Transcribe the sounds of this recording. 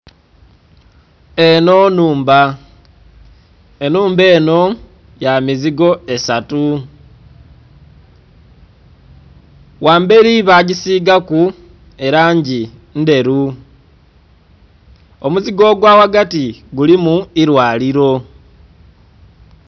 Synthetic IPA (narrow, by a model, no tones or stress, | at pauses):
e̞no̞nuːmba | enuːmbe̞ːno̞ | jamiziɡo̞e̞satu | waːmbe̞ɾiβaɟisiːɡaku | e̞ɾaːɲɟinde̞ɾu | omuziɡo̞ɡwaːwaɡatiɡulimuiɾwaːliɾo̞